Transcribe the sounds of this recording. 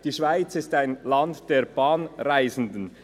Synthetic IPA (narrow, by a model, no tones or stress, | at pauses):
d̥iːʃv̥aɪt͡sɪstaɪnlɑntd̥eːb̥aːnʁaɪzn̩dən̩